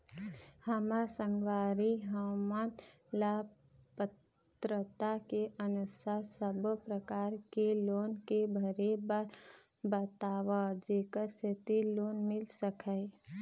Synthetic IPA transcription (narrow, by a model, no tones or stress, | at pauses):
həmasə̃ŋɡʋaːɾiɦəman | la | pət̪ | ɾət̪akeʔənʊsasəbpɾəkaːɾkeloːnkebʱəɾebaɾ | bət̪aːwad͡ʒeːkəɾset̪iloːnmɪlsəkʰəɪ